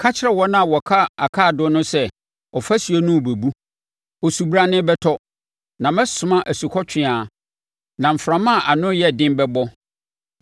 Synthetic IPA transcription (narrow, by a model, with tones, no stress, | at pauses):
kʰa˦t͡ɕʰɪ˦ɾɛ˦wɔ˦nã˦˨wɔ˨kʰa˦a˨kʰa˦˨dʊ˦nʊ̃˦sɛ˦ | ɔ˨fa˦sɥo˦nʊ̃˦˨be˨bu˦ | ɔ˨su˨bɾa˨nɪ̃˦bɛ˦tʰɔ˦ | nã˨mɛ̃˦sʊ˨mã˦ʔæ˨su˨kʰɔ˦t͡ɕʰᶣɪ̃˦aː˨ | nã˨m̩˨fɾã˨mã˦˨ʔa˨nʊ̃˦jɛ˦˨dɪ̃˦mbɛ˦bɔ˦